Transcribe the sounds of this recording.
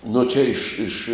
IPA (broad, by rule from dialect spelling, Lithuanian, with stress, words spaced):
nʊ ˈt͡ʃʲɛ ˈɪʃ ˈɪʃ